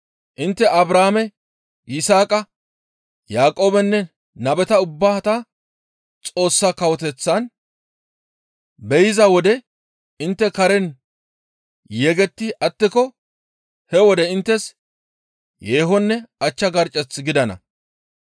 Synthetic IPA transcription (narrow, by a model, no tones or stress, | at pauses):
ʔɪnt̪ːɛʔɐbɾaːmɛ | ɪsaːkʼɐ | jaːkʼo̞ːbɛnːɛ | nɐbɛt̪ɐʊbːaːt̪ɐ | t͡sʼo̞ːsːaːkɐwɔt̪ɛt͡sːɐn | bɛjɪzɐwɔd̪ɛ | ɪnt̪ːɛkɐɾɛn | jɛɡɛt̪ːɪɐt̪ːɪkɔ | hɛwɔd̪ɛɪnt̪ːɛs | jeːɦɔnːɛɐt͡ʃːɐɡɐɾt͡ʃʼːɛt͡sːɡɪd̪ɐnɐ̰